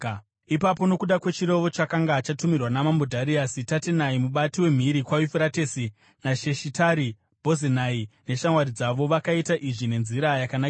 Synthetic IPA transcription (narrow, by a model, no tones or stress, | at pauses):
ipapo̞no̞kuɗakwe̞t͡ʃiɾe̞ʋo̞t͡ʃakaŋɡat͡ʃatumirwanamambodʱaɾiasitatenaimuɓatiwe̞m̤iɾikwajufeɾatesi | naʃe̞ʃitaɾi | bʱo̞zenaine̞ʃamwaɾid͡zaʋo̞ʋakaitaʔiʐine̞nziɾajakanak